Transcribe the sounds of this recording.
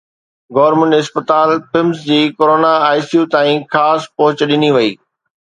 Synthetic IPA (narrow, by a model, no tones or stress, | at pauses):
ɡɔːɾmə̃ɳɪspət̪aːlpɪmsd͡ʑiːkoːɾoːnaaːɪsijut̪aːĩxaːspɐɦʊt͡ɕɗɪniʋɐiː